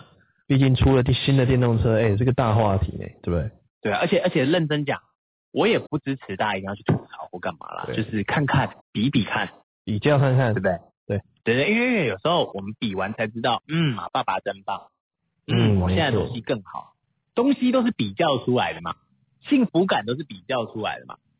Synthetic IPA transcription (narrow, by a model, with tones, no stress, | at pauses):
pi˥˧t͡ɕi˥˩nʈ͡ʂʰu˦˥lə˨t̪i˥˩ɕi˦˥nd̪ə˨t̪jɛ˥˧nt̪ʊ˥˩ŋt͡sʰɤ˦e˥˩ɪt͡sə˥˧˩ɡə˨˩t̪a˥˧xwa˥˧t̪ʰḭ˨˩nḛ˥˩ɪt̪we˥˩bd̪e˥˩ | t̪we˥˩ə˞˧˥t͡ɕʰjɛ˨˩ə˞˧˥t͡ɕʰjɛ˨˩lə˥˩nʈ͡ʂə˥nt͡ɕja̰˨˩ŋ | wʔɔ˧˥jɛ˨˩pu˥˩ʈ͡ʂɻ̩˥ʈ͡ʂʰɻ̩˨˧˥t̪a˥˧i˩˧jt͡ɕʰy˥˩t̪ʰu˨˩t͡sʰɑ˨˧˦ʊfu˧˥ka˥˩nma̰˨˩lɐ̰˨jo˥˧ʊʂɻ̩˥˩kʰa˥˧nkʰa˥˩npi˧˥pi˨˩kʰa˥˩n | pi˨˩t͡ɕjɑ˥˧ʊkʰa˥˧nkʰa˥˩ne˥˩bd̪e˥˩t̪we˥˩ɪt̪we˥˧˩t̪e˥˧i˥nwe˥˧˥we˥˩jo˨˩ʂɻ̩˧˦˥xo˥˧˩ʊwɔ˨˩mə˨˦npi˨˩wa˧˦nt͡sʰa˧˥ɪʈ͡ʂɻ̩˥t̪ɑ˥˩ʊn̩˥˩ma̰˨˩pa˥˩pa˨˩ʈ͡ʂə˥npɑ˥˩ŋ | n̩˥˩wɔ˨˩jna˥˩ə˩to˧˥ŋɕi˦kə˥˩ŋxɑ̰˨˩˦ʊ | t̪o˥ŋɕi˥t̪o˥ʊʂ̬̩˥˩pi˨˩t͡ɕjɑ˥˩ʊʈ͡ʂʰu˥la˧˦ɪd̪ə˨mɐ̰˩ | ɕi˥˩ŋfu˧˥ka˨˩nt̪o˥ʊʂɻ̩˥˩pi˨˩t͡ɕjɑ˥˩ʊʈ͡ʂʰu˥la̰˧˥ɪd̪ə̰˩ma̰˨˩